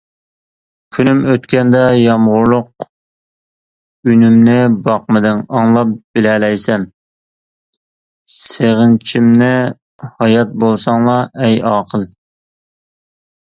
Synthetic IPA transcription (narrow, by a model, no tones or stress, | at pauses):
kʲʰynymøt̪kʲɛnd̪ɛjɑmʁʊɾlˠʊq̚ | ynymnɪbɑq̚mɨd̪ɪŋɑŋlˠɑp̚b̥ɪlɛlɛjsɛn | seʁənt͡ʃʰimnɪ | hɑjɑt̪̚bolˠsɑŋlˠɑɛjɑːqʰəlˠ